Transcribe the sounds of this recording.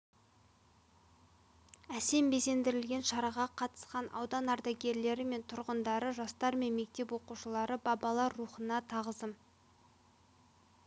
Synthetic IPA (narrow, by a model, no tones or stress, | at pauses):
æse̞mbe̞se̞nd̪ɪɾɪlɡʲe̞nʃɑɾɑʁɑqʰɑt̪ə̥sqɑnʔɑ̰wd̪ɑnɑɾd̪ɑɡʲe̞ɾle̞ɾɪme̞nt̪ʰʊɾʁənd̪ɑɾəʒɑst̪ɑɾme̞nme̞k̚t̪e̞pwo̞quʃəlˠɑɾəbɑbɑlˠɑɾːuχənɑt̪ʰɑʁəzd̪əm